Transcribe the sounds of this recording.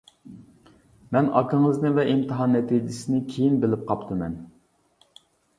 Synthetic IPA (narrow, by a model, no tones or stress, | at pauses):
mɛnɑkʰəŋəznɨvɛʔimt̪ʰɨɦɑnːɛt̪ʰid͡ʒɪsɪnɪkʲʰejinbɪlɪp̚qʰɑpt̪ʰɨmɛn